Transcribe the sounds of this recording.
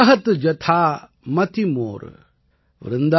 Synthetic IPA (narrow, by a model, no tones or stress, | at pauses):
ɦɐt̪d͡ʒɐt̪ʰaː | mɐt̪imo̰ːɾ̰ | ʋɾɪnd̪a